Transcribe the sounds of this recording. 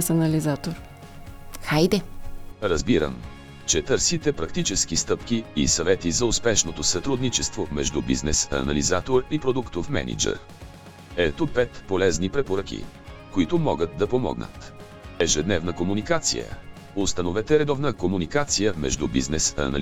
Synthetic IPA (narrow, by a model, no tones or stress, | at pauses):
sɐnɐlizat̪oɾ | xajd̪ɛɾɐzbiɾə̰m | t͡ʃɛt̪əɾsit̪ɛpɾɐkt̪it͡ʃɛsk̟ist̪ɤpkiisɐvɛt̪izɐʊspɛʃnot̪osɐt̪ɾud̪nit͡ʃɛst̪vomɛ̰ʒd̪ubḭznɛsɐ̰nɐ̰lizat̪oɾipɾod̪ukt̪ofmɛ̰nʲḭd͡ʒɛ̰ɾ | ɛt̪opɛt̪polɛznipɾɛpoɾək̟ḭ | koit̪ʊmɔɡət̪̚d̪ɐpomɔ̰ɡnə̰t̪ | ɛʒɛd̪nɛvnəkomunikat̪sḭjə̰ | ʊst̪ɐnovɛt̪ɛɾɛd̪ɔvnəkomunikat̪sijəmɛ̰ʒd̪ubḭznɛsɐ̰nɐ̰l